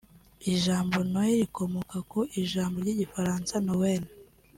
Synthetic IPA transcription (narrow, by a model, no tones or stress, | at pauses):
iʒaːmbo̞noeɾikʰo̞mokakoʔiʒaːmboɾɟiɟifaɾaːnsanowena